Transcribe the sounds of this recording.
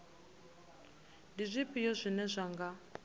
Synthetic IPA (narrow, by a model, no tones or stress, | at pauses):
ndizʷipʼijɔzʷinɛzʷaŋɡa